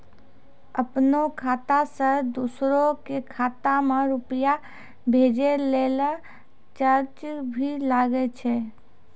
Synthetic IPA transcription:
əpnokʰaːt̪asəɾd̪usɾokekʰat̪amãɾʊpija | bʱed͡ʒelela | t͡ʃəɾt͡ʃbʱilaɡet͡ʃʰe

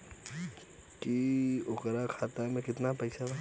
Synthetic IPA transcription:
kiʊkɾakʰaːt̪amẽkɪt̪napɐɪsat̪a

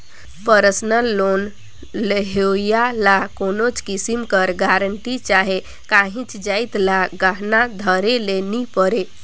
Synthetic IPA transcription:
pəɾəsnəlːon | ləɦojalakonot͡ʃkisimkəɾɡaɾəɳʈit͡ʃaɦe | kaɦĩt͡ʃd͡ʒajt̪laɡaɦnad̪ʱəɾelenipəɾe

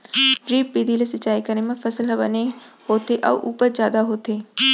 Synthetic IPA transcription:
ɾiːppid̪ʱiːlesɪt͡ʃːaːikəɾnemẽfʰɐsəlɦɐbənehoːt̪eʔɔ̰ːʔuːpəɾzjaːd̪aɦoːt̪eː

